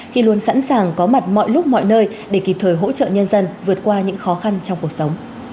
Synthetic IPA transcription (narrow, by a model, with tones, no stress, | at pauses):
xi˧lu˧ənsa̰˧˥nsaː˨˩ŋkɔ˨˦ma˨˩t̚mɔ̰˧˨jlʊ˦˥k͡p̚mɔ̰˧˨jnəː˧j | ɗe˧˩ki˨˩p̚t̪ʰəː˨˩jɦo̰˧˥t͡ɕə̰ː˧˨ɲə˧nzə˧nvɨ˨˩ət̚kwaː˧ɲɨ̰˧˥ŋxɔ˨˦xa˧nt͡ɕɔ˧wŋ͡mku˨˩ək̚sə˨˦wŋ͡m